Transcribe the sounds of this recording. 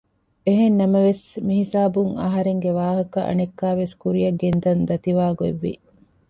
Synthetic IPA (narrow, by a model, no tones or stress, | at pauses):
eɦenːɐmɐʋesmiɦisaːbuŋɐ̰ɦɐɾeŋɡeʋaːɦɐkɐʔɐ̰nekːaːʋeskuɾijɐɡend̪ɐnd̪ɐt̪iʋaːɡoḛʋːḭ